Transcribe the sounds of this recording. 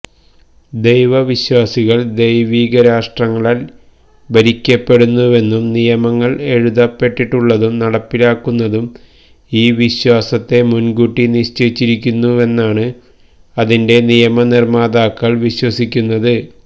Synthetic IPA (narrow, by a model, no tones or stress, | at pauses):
d̪e̞jʋɐʋiɕwaːsiɣɐɭd̪ejʋiːɣɐɾaːʂʈrɐŋːɐɭil | bɐɾikʲːɐpːe̞ɽunːuʋe̞nːumnijɐmɐŋːɐɭe̞ɻuðɐpːe̞ʈːiʈːuɭːɐðumnɐɽɐpːilaːkːunːɐðum | iːʋiɕwaːsɐt̪ːe̞munɡuʈːiniɕt͡ɕejt͡ɕːiɾikʲːunːue̞nːaːɳɨ | ɐðinde̞nijɐmɐnirmaːd̪aːkːɐɭʋiɕwɐsikʲːunːɐðɨ